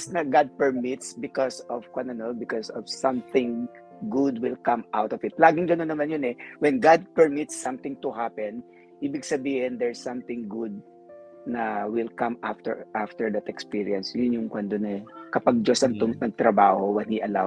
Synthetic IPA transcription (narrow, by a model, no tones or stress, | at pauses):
snɐɡad̪̚pɛɹmɪt̪sbɪkɔsɔv̥kwɐnɐnobɪkɔsɔv̥sɐ̃mθɪ̃ŋ | ɡʊd̪wɪlkɐmʔawt̪ɔvɪt̪̚laːɡɪŋɡɐnonːɐmanjʊnɛwɛnɡad̪̚pɛɹmɪt̪sːɐ̃mt̪ɪ̃ŋt̪ʊhapɛn | ʔiːbɪɡsɐbiːhɪnd̪ɛɹsːɐmt̪ɪ̃ŋɡʊd̪̚ | nɐwɪlkɐ̃ma̰ft̪ɛ̰ɹʔaft̪ɛɹd̪ɐt̪ɛkspiɹiɐnsjʊnjʊŋkwɐnd̪onɛkɐpaɡ̚d͡ʒosɐŋt̪ʊŋnɐɡ̚t̪ɾɐbaːhowɛnhiʔɐla